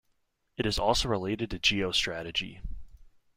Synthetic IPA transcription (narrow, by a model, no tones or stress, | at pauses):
ɨɾɨzɔlˠsoʊɹəleɪɾɨd̚tʰɨd͡ʒioʊstɹ̥æɾɨd͡ʒḭ